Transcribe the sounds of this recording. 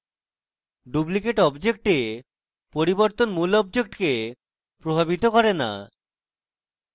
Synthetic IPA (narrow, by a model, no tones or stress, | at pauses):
ɖublikeʈɔbd͡ʑek̚ʈe | poɾiboɾt̪onmulɔb̚d͡ʑek̚ʈke | pɾobʱabit̪okɔɾena̰